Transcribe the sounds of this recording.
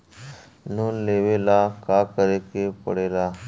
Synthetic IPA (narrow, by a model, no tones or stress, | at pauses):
noːnleːʋeːlaːkaːkəɾeːkepə̰ɽeːlaː